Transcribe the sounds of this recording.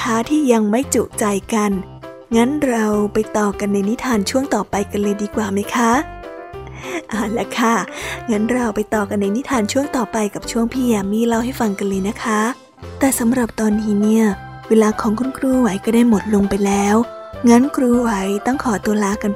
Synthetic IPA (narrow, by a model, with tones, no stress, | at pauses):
kʰaː˦˥t̪ʰiː˥˩ja˧ŋma˥˩jt͡ɕuː˨˩k̚t͡ɕa˧jka˧n | ŋa˦˥nɾa˧wpa˧jt̪ɔː˨˩ka˧nːa˧jni˦˥t̪ʰaː˧nt͡ɕʰu˥˩əŋt̪ɔː˨˩pa˧jka˧nlɤː˧jdiː˧kwaː˨˩ma˦˥jkʰa˦˥ | ʔaː˧˩lɛ˦˥kʰa˥˩ŋa˦˥nɾa˧wpa˧jt̪ɔː˨˩ka˧nːa˧jni˦˥t̪ʰaː˧nt͡ɕʰu˥˩əŋt̪ɔː˨˩pa˧jka˨˩p̚t͡ɕʰu˥˩əŋpʰiː˥˩jaː˧miː˥˩la˥˩wha˥˩jfa˧ŋka˧nlɤː˧jna˦˥kʰa˦˥ | t̪ɛː˨˩sa˨˦mɾa˨˩p̚t̪ɔː˧nːiː˦˥ni˥˩ɐ | weː˧laː˧kʰɔː˩˦ŋkʰu˧nkʰɾuː˧wa˨˦jkɔː˥˩daː˥˩jmo˨˩t̪̚lo˧ŋpa˧jlɛː˦˥w | ŋa˦˥nkʰɾuː˧wa˨˩˦jt̪ɔ˥˩ŋkʰɔː˩˦t̪u˧ɐəlaː˧ka˧n